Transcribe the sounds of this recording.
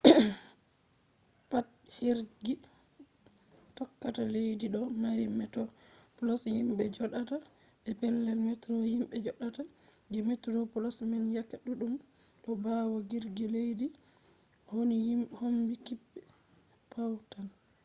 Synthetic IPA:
pat | hiɾɡi | tɔkːatalejdiɗɔmaɾimɛtɔpɔlɔshimɓɛd͡ʒɔɗata | ɓɛpɛlːɛlmɛtɾɔhimɓɛd͡ʒɔɗata | ɡɛmɛtɾɔpɔlɔsmɛnjakːaɗuɗum | ɗɔbawɔɡiɾɡilejdi | honijimhombikibːɛ | pawtan

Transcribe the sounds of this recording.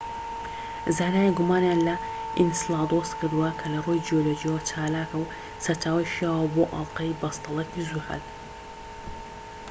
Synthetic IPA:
zaːnaːjiɡʊmaːnjanlɐ | ʔḭnsɨlˠɑːd̪oskʰɨɾd̪uwɐkʰɐlɐrojd͡ʒijoloːd͡ʒijɐwɐt͡ʃʰaːlaːkɐw | sɐɾt͡ʃaːwɐjʃijaːwɐboːʔɐ̰lˠqɐjbɐst̪ɑlˠɐkizuha̰d̪

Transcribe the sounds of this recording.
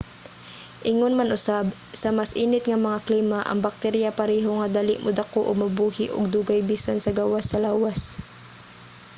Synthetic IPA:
ʔɪŋonmanʔʊsab | sɐmasʔiːnɪt̪ŋɐmɐŋakliːmaʔɐ̰ŋbak̚t̪ɛɾjapɐɾɛːɦoŋɐd̪alɪʔmʊd̪akoʔoɡ̚mɐbuːhɪʔʊ̰ɡ̚d̪uːɡajbiːsansɐɡawasːɐlaːwas

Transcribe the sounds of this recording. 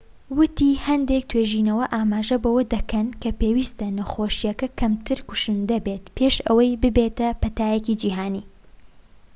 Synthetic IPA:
wɨt̪ihɐnd̪ek̚t̪ʰweʒiːnɐwɐʔaːmaːʒɐbɐwɐd̪ɐkʰɐnkʰɐpeːwiːst̪ɐnɐxoːʃijɐkɐkʰɐmt̪ʰɨɾkʊ̥ʃund̪ɐbet̪pʰeːʃɐwɐjbɨbeːt̪ɐpɐt̪aːjɛcid͡ʒiːɦaːniː

